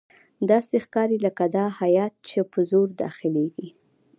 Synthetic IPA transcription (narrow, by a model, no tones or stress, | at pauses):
d̪ɑsexkɑɾiləkad̪ɑhajɑt̪̚t͡ʃepəzoɾd̪ɑ̰xɪleɡi